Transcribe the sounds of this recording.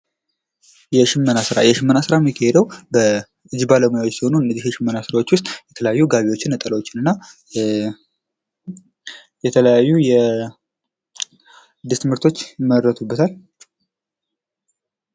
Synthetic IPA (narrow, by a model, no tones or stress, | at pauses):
jɛʃɪmːənasɨɾa̰jɛʃɪmːənasɨɾamikʰːahed̪əwbə | ɨd͡ʒbaləmujawsiho̞nuɨnːəzihjɛʃɪmːənasɨɾawo̞t͡ʃːwʊst̪ʼjɛt̪ʰələjajːuɡaβewo̞t͡ʃːɪnːət̪ʼələwo̞t͡ʃːɪnɨnːa | jɛt̪ʰələjajːujɛ | d̪ːɨst̪ʰɨmhɨɾt̪ʰo̞t͡ʃːməɾːət̪ʰubːət̪ʰal